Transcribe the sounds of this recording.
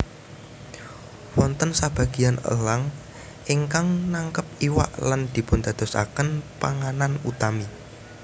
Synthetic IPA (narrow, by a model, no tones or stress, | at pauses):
wɔnt̪ənsab̥ä̤ɡ̥i̤anə̰laŋ | ʔiŋkaŋnaŋkəp̚iwa̰ʔland̪̥i̤pʊnd̪̥a̤d̪̥ɔ̤sa̰kənpa̰ŋananut̪ami